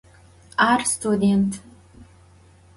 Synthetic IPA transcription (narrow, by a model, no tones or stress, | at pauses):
arst̪ʰud̪ʲentʰ